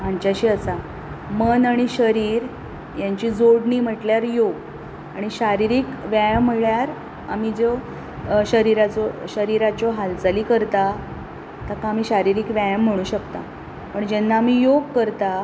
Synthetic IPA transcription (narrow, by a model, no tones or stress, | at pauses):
amt͡ɕjaɕiːəsa | mənaɽ̃iɕəɾiːɾ | jaɲt͡ɕid͡zoɽɳiːm̤əʈljaɾjoɡ | aɽ̃iɕaɾiɾiːkʋjajəm̤əɭjaɾ | amid͡zo | ɕəɾiɾat͡sɔɕəɾiɾat͡ɕɔɦalt͡saliːkəɾt̪a | t̪akaːmiːɕaɾiɾiːkʋajəm̤ːəɽ̃uːɕəkt̪a̰ | pəɳd͡ʑɛnːaːmijoɡ̚kəɾt̪a